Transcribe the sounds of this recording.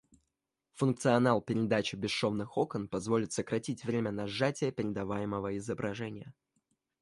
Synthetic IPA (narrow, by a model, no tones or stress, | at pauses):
fʊnk̚t̪sɨɐnalˠpʲɪɾʲɪd̪at͡ɕɪbʲɪʂo̞vnɨxo̞kənpɐzvo̞lʲɪt̪səkɾɐtʲitʲvɾʲemʲənɐʐatʲɪjəpʲɪɾʲɪd̪ɐvajɪməvəɪzəbɾɐʐɛnʲɪjə